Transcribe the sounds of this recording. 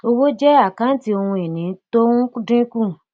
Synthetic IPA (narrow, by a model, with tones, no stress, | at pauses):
o˧wo˦d͡ʒɛ˦a˦˨kã˨˦ti˧o˧hũ˧e˨nĩ˨˦to˦ũ˦ku˦dɾĩ˦kũ˦˨